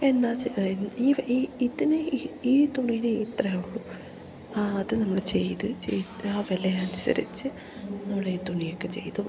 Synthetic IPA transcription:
e̞nːaːeniːiiðinɨiːt̪uɳijnɨit̪rɐjuɭːu | aɐðɨnɐmːɐɭt͡ɕe̞jt̪ɨt͡ɕḛjt̪aːʋɐleɐnusɐ̰ɾḭt͡ɕːɨ | nɐmːuɭeit̪uɳijokːe̞t͡ɕe̞̰jt̪u

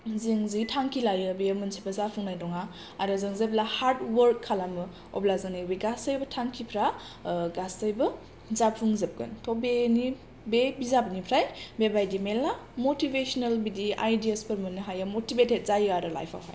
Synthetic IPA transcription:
ziŋzitʰaŋkʰilajɯbejmɯnsʰipazapʰuŋnajdɔŋa | aɾɯzɯŋzeb̚lahaɾtwəɾkʰːalamɯ | ɔ̰blazanibiɡasəjbɐtʰaŋkʰipʰɾa | ɡasəjbɯ | zapʰuŋzəp̚ɡɯ̰ntʰɔbeni | bebizabnipʰɾajbebajdimelamotibesɔnelbidiʔa̰jdiespəɾmɯnɯɦajamotibetet̚zajaɾɯla̰jpʰa̰pʰa̰j

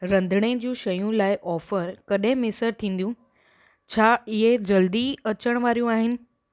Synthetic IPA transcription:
ɾɐ̃nd̪ʱɽ̃ed͡ʑũːʃɐjũlaːɪʔɔːfəɾkɐɗɦẽmɪsəɾt̪ʰĩːnd̪jũː | t͡ɕʰaːɪɦed͡ʑɐld̪iɐt͡ɕəɽ̃ʋaːɾjũaːɦɪnɪ̆

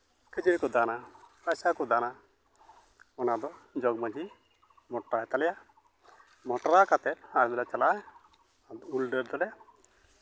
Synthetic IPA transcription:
kəd͡ʒiɾkɔd̪anapajsakɔd̪ana | ɔnad̪ɔd͡ʒɔɡmad͡ʒi | mɔʈɾaɛt̪alɛja | mɔʈɔɾakat̪ɛt̪aɾbɛlat͡ʃalaaj | ulɖəɾd̪ɔlɛja

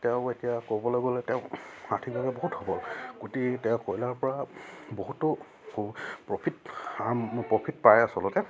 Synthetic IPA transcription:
tɛʊ̃etijakobɔloɡɔlɛtɛʊ̃atʰibʱabɛboɦuthɔbɔlɡotitɛʊ̃kojlaɹpɔɹaboɦutːʊ | pɹɔpʰitapɹɔpʰitpajasɔlɔtɛ

